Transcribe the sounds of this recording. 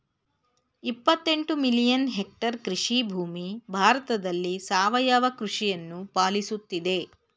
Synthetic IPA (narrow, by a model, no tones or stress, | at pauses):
ipːɐt̪ːe̞ɳʈumilijɐnɦek̚ʈɐɾkɾiʂibʱuːmibʱaːɾɐt̪ɐd̪ɐlːisaːʋɐjaːʋɐkɾuʂijɐnːupaːlisut̪ːid̪e̞